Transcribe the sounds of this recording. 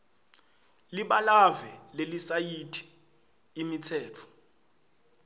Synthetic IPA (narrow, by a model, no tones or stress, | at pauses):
liɓalavɛlelisajitʰi̥ː | mitʰɛːt͡fʰɔ̥